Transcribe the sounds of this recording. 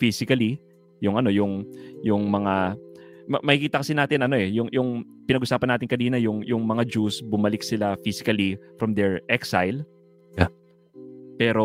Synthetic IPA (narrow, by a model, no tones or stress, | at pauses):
fisɪkɐli | jʊŋʔɐno̞jʊŋjʊŋmɐŋa | mɐmɐkɪkiːt̪ɐkɐsɪnaːt̪ɪnʔɐno̞ʔɛjʊŋjʊŋ | pɪnɐɡʔʊsaːpɐnaːt̪ɪnŋkɐniːnɐjʊŋjʔʊŋmɐŋad͡ʒusbʊmɐlɪk̚sɪlafisɪkɐlifɾɐmd̪ɛɹʔɛksajl | a | pɛːɾo̞